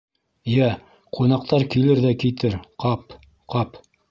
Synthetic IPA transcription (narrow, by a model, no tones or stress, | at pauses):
jæ | qʰunɑq̚t̪ɑɾkilɘɾðækit̪ɘɾqɑp | qɑp